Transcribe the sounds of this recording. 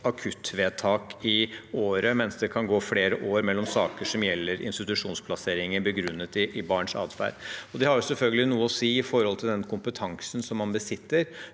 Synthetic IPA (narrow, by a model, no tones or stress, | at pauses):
ɑkʰʉt̪ːʋeːt̪ʰɑːkɪoːɾəmɛnsd̪ɛkʰɑnɡoːfɽeːɾəʔoːɾmɛlːɔmsɑːkəʂɔmjɛlːəɾʔɪ̰nst̪ɪt̪ʉʂuːnspʰlɑseːɾɪŋənbəɡɾʉnːət̪ɪʔɪbɑːɳʂɑ̰ːd̪fæ̰ːɾɔd̪ɛhɑɾjʊsɛlfœlɡəlɪnuːəɔsiːɪfɔɾhɔlt̪ʰɪld̪ɛnkʰʊmpət̪ʰɑŋsənsɔmːɑnbəsɪt̪ːəɾ